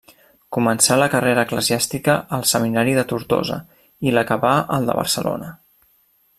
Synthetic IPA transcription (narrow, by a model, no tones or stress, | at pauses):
kumənsaləkəreɾəːkləziast̪ikəʔəlˠsəminaɾiðət̪uɾt̪o̰zə̰ | iləkəβaʔəlˠd̪ə̰βə̰ɾsəlo̰nə